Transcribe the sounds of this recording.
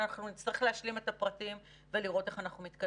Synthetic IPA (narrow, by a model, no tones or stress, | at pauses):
anaχnunit͡sliχleaʃlime̞t̪apʁatim | ve̞liʁo̞te̞χanaχnumit̪ka